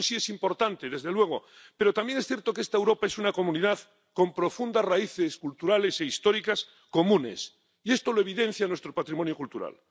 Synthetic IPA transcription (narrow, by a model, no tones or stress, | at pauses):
nsiesimpo̞ɾt̪ant̪eðe̞zðelwe̞ɣ̞o | pe̞ɾot̪ambjeŋesθje̞ɾt̪okeest̪aewɾo̞paesunako̞mũniðað | kõ̞mpɾo̞fund̪azraiθeskult̪uɾale̞seist̪o̞ɾikas | ko̞mũne̞̰s | ie̞st̪oloe̞βiðẽ̞n̟θjanwest̪ɾopat̪ɾimonjokult̪uɾa̰l